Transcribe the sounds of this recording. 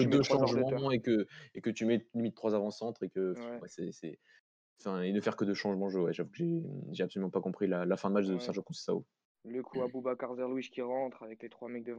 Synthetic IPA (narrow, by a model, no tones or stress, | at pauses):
əd̪øʃɑ̃ʒmɑ̃ekəekət̪ymɛlimit̪̚ːχwazavɑ̃sɑ̃t̪χekəfɛ̃wɛsɛsɛ | ɑ̃fɛ̃enəfɛʁkəd̪əʃɑ̃ʒmɑ̃ʒøwɛʒavukʒeʒeapsɔlymɑ̃pakɔ̃pχilalafɛ̃d̪əmat͡ʃd̪əsɛʁʒɑ̃kɔ̃ssao̰ | ləkʰuabubakaʁzɛʁlwiʃkʲiʁɑ̃t̪χavɛklet̪χwamɛk̚d̪əṽ